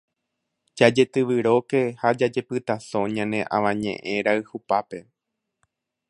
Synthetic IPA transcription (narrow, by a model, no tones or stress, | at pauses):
d͡ʒad͡ʒe̞t̪ɨʋɨɾo̞ke̞had͡ʒad͡ʒe̞pɨt̪asõ̞ɲãnẽ̞ʔã̰ʋãɲḛ̃ʔẽɾaɨhupape̞